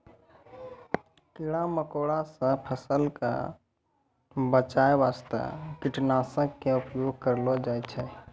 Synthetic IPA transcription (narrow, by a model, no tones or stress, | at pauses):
kiɽaməkoːɽasə̃pʰəsəlka̰ | bət͡ʃaːeʋaːst̪a̰kɪʈnaːsəkːeʊpjoːɡ̚ʱkəɾlod͡ʒaːjt͡ʃʰɛ